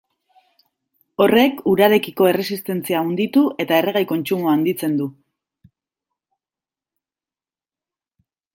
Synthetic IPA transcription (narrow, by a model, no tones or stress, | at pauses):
o̞re̞kuɾaɾe̞kiko̞e̞re̞sist̪e̞nt͡siaund̪it̪uʔe̞t̪ae̞reɣ̞ajko̞nt͡ʃumuand̪it͡se̞nd̪u